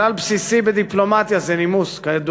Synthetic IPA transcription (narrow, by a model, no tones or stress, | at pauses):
alpsisibed̪iplomat̪jazɛnimuskajed̪u